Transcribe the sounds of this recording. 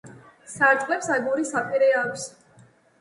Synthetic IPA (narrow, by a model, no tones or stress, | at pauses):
saɾt̪ʼχʼlɛpsaɡuɾisapʼiɾɛakʰʷs